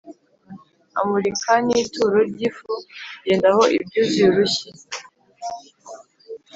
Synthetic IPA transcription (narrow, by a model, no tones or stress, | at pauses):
a̰muɾikʰaniːtuɾoɾɟiːfuɟeːndaho̞ʔḭbɟuːziuɾuçi